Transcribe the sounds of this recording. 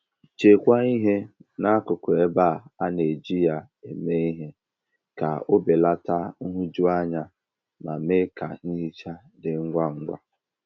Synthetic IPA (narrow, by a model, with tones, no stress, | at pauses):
t͡ʃe˨kʷa˦i˦ɦe˦na˦kʊ˨kʷʊ˨e˦ba˦˨a˦ne˨d͡ʒi˦ja˨ | e˨me˦i˦ɦe˦ | ka̰˨o˦be˨la˦ta˦ŋ̩˦ɦʊ˦d͡ʒu˦a˦ɲa˦ | ma˨me˦ka̰˨ni˦i˦t͡ʃa˦ | dɪ˨ŋ̩˦ɡʷa˦ŋ̩˦ɡʷa̰˦